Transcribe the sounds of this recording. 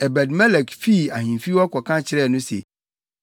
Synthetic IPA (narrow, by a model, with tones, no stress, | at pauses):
ɛ˨bɛ˨dmɛ˦lɛ˨kfi˦˨a˨ɦĩ˨fi˦wɔ˦kʰɔ˨kʰã˦t͡ɕʰɪ˨ɾɛː˦˨nʊ̃˦sḛ˨